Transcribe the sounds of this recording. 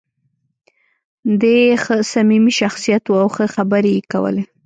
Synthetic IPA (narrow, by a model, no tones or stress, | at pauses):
d̪exəsamimiʃaxsijat̪wuawxəxabəɾejeka̰wə̰le